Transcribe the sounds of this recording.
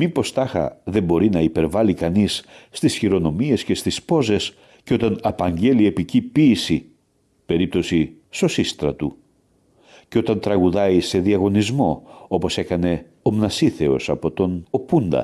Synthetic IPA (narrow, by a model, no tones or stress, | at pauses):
mipo̞st̪ɐxɐ̰ðe̞mbo̞ɾinɐipe̞ɾvɐlikɐnisːt̪isçiɾo̞no̞mie̞sce̞st̪ispo̞ze̞s | ceo̞t̪ɐnɐpɐɲɟe̞lie̞picipiːsi | pe̞ɾip̚t̪o̞siso̞sist̪ɾɐt̪u | ceo̞t̪ɐnt̪ɾɐɣuðɐise̞ðiɐɣo̞nizmo̞o̞po̞se̞kɐne̞ | omnɐsiθe̞o̞sɐpo̞t̪o̞nopund̪ɐ̰